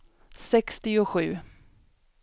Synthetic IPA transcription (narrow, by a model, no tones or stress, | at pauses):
sɛkst̪ɪʊɧʉ̟ː